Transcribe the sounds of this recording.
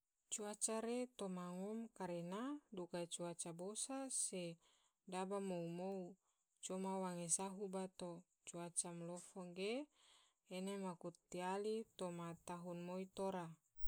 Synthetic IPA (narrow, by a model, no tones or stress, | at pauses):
t͡ʃuat͡ʃaɾet̪omaŋɔmkaɾenadukat͡ʃuat͡ʃabosase | dabamoumou | t͡ʃomawaŋesaɦubat̪o | t͡ʃuat͡ʃamlɔfoŋɡe | enemakut̪ːialit̪omat̪aɦunmoit̪oɾa